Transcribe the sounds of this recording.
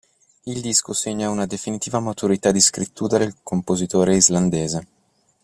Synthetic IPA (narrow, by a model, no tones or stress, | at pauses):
ild̪iskoseɲːaunad̪efinit̪iːvamat̪uɾit̪ad̪iskɾit̪ːuːɾad̪elkompozit̪oːɾeizland̪eːze